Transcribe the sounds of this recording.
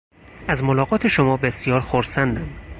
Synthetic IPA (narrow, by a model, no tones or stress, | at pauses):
æzmolɒːɣɒːt̪ʰe̞ʃomɒːbe̞sjɒːɾxoɾsænd̪ænd̪̥